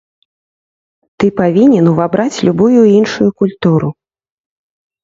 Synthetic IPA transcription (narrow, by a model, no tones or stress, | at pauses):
t̪ɨpavʲinʲɛnuvabɾat͡sʲlʲubujuinʂujukulʲt̪uɾu